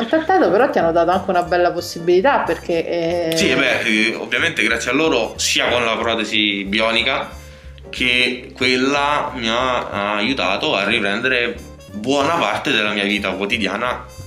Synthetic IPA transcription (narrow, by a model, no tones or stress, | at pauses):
alt̪ɾet̪ːaːt̪opeɾɔt̪ːianːod̪aːt̪oaŋk̟eunabɛlːaposːibilit̪apːerk̟esiɛbɛo̰vːjament̪eɡɾat̪sːjalːoːɾosiːakonlapɾɔːt̪ezibiɔːnika | kʰekːwelːamiaaːjːut̪a̰ːt̪oarːipɾɛnd̪eɾe | bwɔːnapa̰rt̪ed̪elːamiːaviːt̪akwot̪id̪ja̰ːna